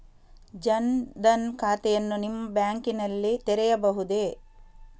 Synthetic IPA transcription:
d͡ʒɐnd̪ɐnkʰaːt̪ɛjɐnːunimːɐbjaːŋkinɐlːit̪ɛɾɛjɐbɐɦud̪e

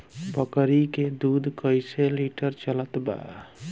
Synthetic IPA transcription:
pəkɾiked̪ud̪ʱkəjseliʈəɾt͡ʃələt̪ba̰

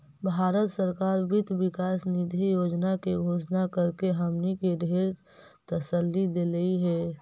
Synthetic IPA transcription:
bʱaːɾət̪səɾkaːɾbɪt̪ʋɪkaːsnɪd̪ʱijoːd͡ʒnakeɡʱoːd͡ʒnakəɾkeɦəmnikeɖʱeːɾ | t̪əsəlːid̪eːləiɦɛː

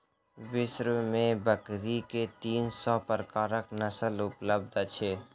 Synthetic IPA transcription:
wɪʃɾmẽbəkɾiket̪iːnsɔpəɾkaːɾəknəsəlʊpləb̚d̪t͡ʃʰeː

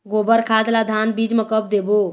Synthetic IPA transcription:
ɡobəɾkʰad̪lad̪ʱanbid͡ʒmekəp̚ʰd̪ebo

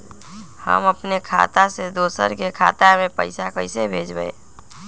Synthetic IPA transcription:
hə̰məpnekʰa̰ːt̪ased̪oːsə̰ɾkekʰa̰ːt̪amẽpəɪsakəɪsebʱeːd͡ʒbəḛ

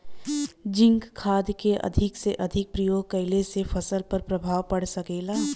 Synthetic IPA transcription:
d͡ʒɪ̃ŋkkʰːaːd̪keʔɐ̰d̪ʱɪkseʔɐd̪ʱɪk̚pɾəjoːɡ̚kɐɪlesefʰɐsəlpɐɾpɾɐbʱaːʋpɐɽ̤sɐkeːlaː

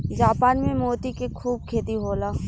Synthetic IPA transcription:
d͡ʒaːpaːnmẽmoːt̪ikekʰuːb̚kʰeːt̪iɦoːlaː

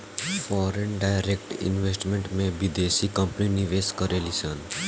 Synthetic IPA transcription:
fɔːɾenɖaːɪɾek̚ʈɪ̰̃nʋesʈmẽɳʈmẽbid̪eːsikə̃mpəniniʋeskəɾelisən

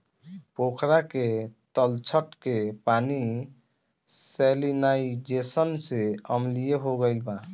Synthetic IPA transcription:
pokʰɾaket̪əlt͡ʃʰəʈkepani | selinaid͡ʒesənseəmlijeɦoɡəɪlba

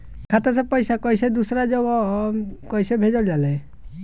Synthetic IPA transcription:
kʰat̪as̬ɔpɔjsakɔjsed̪usɔɾad͡ʒɔɡɔkɔjsebʱed͡ʒɔld͡ʒalɛ

